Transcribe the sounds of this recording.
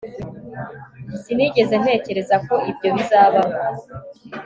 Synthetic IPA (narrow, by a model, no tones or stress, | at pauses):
siniɟe̞zen̥he̞ːce̞ɾe̞zako̞ibɟo̞βizaːβamo